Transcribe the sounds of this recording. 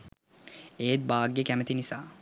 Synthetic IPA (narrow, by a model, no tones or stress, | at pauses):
eːt̪̚baːɡjəkæmət̪inisaː